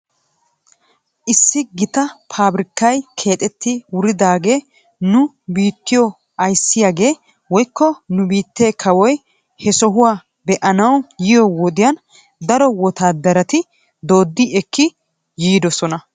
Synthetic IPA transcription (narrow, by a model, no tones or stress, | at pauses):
ʔɪsːɪɡɪt̪ɐpʰaːbɾɪkːɐjkʰe̞ːt̪ʼɛt̪ːɪwʊɾɪd̪aːɡe̞ː | nʊ | biːt̪ːɪjɔ | ɐjsːɪjaːɡe̞ː | wɔjkːɔnʊbiːt̪ːe̞ːkʰɐwɔj | hɛsɔɦʊwaː | bɛʔɐnɐwjɪjɔwɔd̪ɪjɐn | d̪ɐɾɔwɔt̪aːd̪ɐɾɐt̪ɪ | d̪o̞ːd̪ːɪɛkːɪ | jiːd̪ɔsɔnɐ